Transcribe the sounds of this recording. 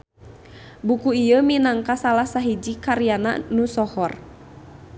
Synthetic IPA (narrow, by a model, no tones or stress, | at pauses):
bukuijəminaŋkasalahsaɦid͡ʒikaɾiana̰nusɔhɔr